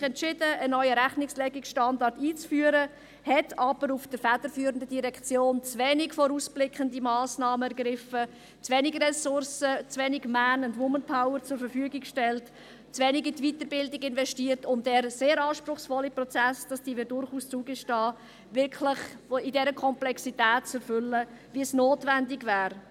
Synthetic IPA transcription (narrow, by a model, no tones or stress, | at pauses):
ɛntt͡ʃɪd̥əənœʏəɾæχnɪkslɛɡɪksʃtɑndɑɾtiːt͡sfyːəɾə | hɛtʰɑb̥əɾufd̥əɾfæd̥əɾfyːɾəndədiɾɛkʰt͡sjoːnt͡svɛnɪkfoːɾuːsb̥lɪkʰχəndimɑːsnɑːməɛɾɡɾɪfə | t͡svɛnɪɡərɛsʊɾsət͡svɛnɪɡmænʊndʋʊmənpʰaʊəɾt͡sʊɾfəɾfyəɡɪkkʃtɛlt | t͡svɛnɪɡitvitəɾbɪldɪɡɪnvɛʃtiːɾtʊntdɛːɾseːɾɑːʃpɾʊχsfɔlːiprɔt͡sæsd̥ɑsd̥iːʋɪdʊɾχuːst͡suːɡəʃtɑː | vɪɾkʰlɪχidɛɾəkʰɔmplɛksitɛːt̚t͡sɛɾfʏlːə | viəsnoːtvændɪɡvæːɾ